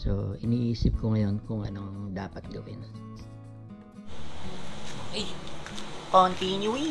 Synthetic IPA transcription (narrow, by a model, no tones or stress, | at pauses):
so̰ʔɪniːʔiːsɪp̚koŋɐjo̞nkʊŋʔɐ̰noŋd̪aːpɐt̪̚ɡɐwɪ̰n | oʔj | kont̪injui